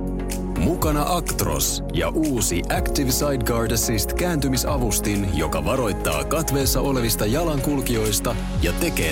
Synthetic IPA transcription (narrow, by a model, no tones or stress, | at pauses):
mukɑnɑʔɑkt̪ro̞̰s | jɑ̰ʔuːsiʔækt̪iʋsɑjdɡɑːrdæsist̪kæːnt̪ymisɑʋust̪injo̞̰kɑʋɑɾo̞jt̪ːɑ̰ːkɑt̪ʋe̞ːsːɑʔo̞le̞ʋist̪ɑjɑlɑŋkulkio̞jst̪ɑ | jɑt̪e̞ke̞̰ː